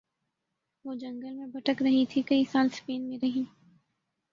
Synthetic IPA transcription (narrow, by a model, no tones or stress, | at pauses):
ʋoːd͡ʒɐ̃ŋɡəlmẽbɐʈəkɾɐɦĩt̪ʰikɐisaːlspeːnmẽɾɐɦĩː